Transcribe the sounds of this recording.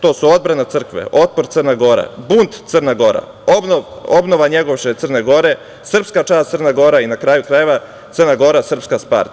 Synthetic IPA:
t̪o̞ːsuod̪̚bɾanat̪sɨr̩kʋḛʔo̞t̪̚poɾt̪ərnaɡo̞ɾa̰bunt̪t̪sərnaɡo̞ɾa̰ | obnoʋobnoʋaɲeɡoʋʃet̪sərne̞ɡo̞ɾe̞ | sr̩pskat͡ʃaːsərnaɡo̞ɾainakɾaːjukɾajeʋa | t̪sərnaɡo̞ɾasr̩pskaspa̰ɾt̪

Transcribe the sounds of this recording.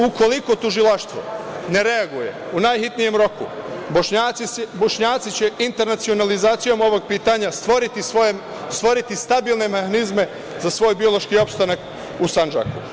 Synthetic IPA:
ukʰo̞liko̞t̪uʒilaʃt̪ʋo̞̰ne̞ɾe̞aɡuje̞̰unajxit̪nije̞mɾo̞kṵboʃɲaboʃɲaːt̪sit͡ɕe̞int̪e̞ɾnat̪sio̞nalizaːt̪sijo̞mo̞ʋo̞ɡ̚piːt̪aɲast̪ʋoɾit̪ioe | st̪ʋo̞ɾit̪ist̪abilˠne̞mehanizme̞ | zasʋo̞ːjbio̞lo̞ʃkio̞pst̪anak | usand͡ʒa̰kṵ

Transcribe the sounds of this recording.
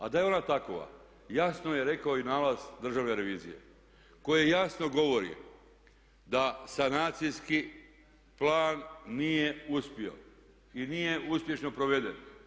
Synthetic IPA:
a̰d̪ajeo̞nat̪ako̰ʋa̰ | jasno̞jeɾe̞kaoinaːlazd̪r̩ʒaʋne̞ɾe̞ʋiːzḭje̞̰ | ko̞jejasno̞ɡo̞ʋoɾḭ | d̪asanaːt̪sijski | plaːnːije̞uspio̞̰ | inijeuspje̞ʃno̞pɾo̞ʋe̞d̪en

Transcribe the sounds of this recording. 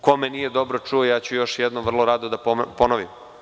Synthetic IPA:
komenijed̪o̞bɾot͡ʂuojaːt͡ɕujo̞ʃjɛd̪nomʋr̩lˠoɾaːd̪od̪apponoʋim

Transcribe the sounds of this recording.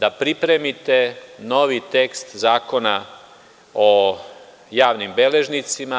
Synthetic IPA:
d̪apɾipɾe̞mit̪e̞noʋit̪ekst̪zaːko̞na | o | jaːʋnimbele̞ʒnit̪sima

